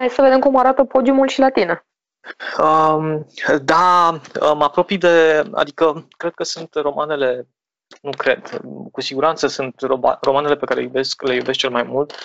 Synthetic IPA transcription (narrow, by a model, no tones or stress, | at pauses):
hajdʲsəve̞d̪e̞mkumaɾat̪əpo̞d̪iumulʃilat̪ine | əmd̪aəmapɾo̞pijd̪e̞a̰d̪ikəkɾe̞d̪̥̚kəsunt̪ro̞mane̞le̞ | nukɾe̞d̪kusiɡuɾant̪səsunt̪oa̰ro̞mane̞le̞pekaɾejube̞skle̞jubes̬k̚t͡ʃelmajmult̪